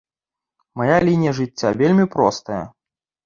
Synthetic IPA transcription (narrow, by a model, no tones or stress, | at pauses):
majalʲinʲijɐʐɨt͡st͡sʲːavʲelʲmʲipɾɔst̪ɐjɐ̰